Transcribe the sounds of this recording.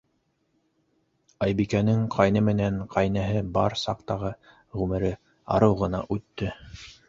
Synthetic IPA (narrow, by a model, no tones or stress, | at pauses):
ɑjbikænɘŋqʰɑjnɤmɘ̆næɴqʰɑjnæɦɘbɑɾsɑqt̪ɑʁɤ | ʁʉmɘ̆ɾɘ | ɑ̰ɾɤwʁɤ̆nɑ̰ʔʉt̪ːɵ